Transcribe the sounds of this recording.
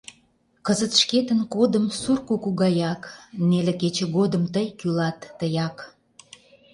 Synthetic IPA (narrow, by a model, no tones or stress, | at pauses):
kəzət̪ʃket̪ənkod̪əmsurkukuɣɑjɑkneleket͡ɕĕɣod̪əmt̪əjkylɑt̪ːəjɑk